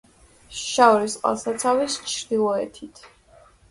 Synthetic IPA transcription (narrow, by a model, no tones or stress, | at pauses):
ʃaɔɾisqʼwa̰lˠsat̪sʰavist͡ʃʰɾd̪ilˠɔɛ̰t̪ʰit̪ʰ